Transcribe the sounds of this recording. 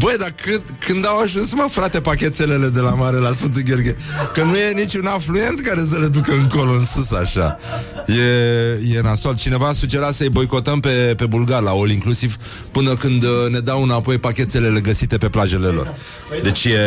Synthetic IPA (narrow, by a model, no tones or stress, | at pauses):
bəjd̪akɨd̪kɨnd̪awaʒunsməfɾat̪e̞pakʲe̞t̪sele̞le̞d̪e̞lamaɾe̞lasfɨnt̪uɡʲo̞rɡʲekənuje̞nit͡ʃunaflue̞nt̪kaɾe̞s̬əle̞d̪ukəɨŋko̞loɨnsusaʃa̰ | je̞je̞ɨnasolt̪̚t͡ʃine̞vaːsud͡ʒe̞ɾat̪səjbo̞jko̞t̪əmpe̞pe̞bulɡarlao̞liŋklusiv | pɨnəkɨnd̪ne̞d̪awɨnapo̞jpakʲe̞t̪se̞le̞le̞ɡəsit̪e̞pe̞plaʒe̞le̞lo̞̰r | d̪e̞t͡ʃje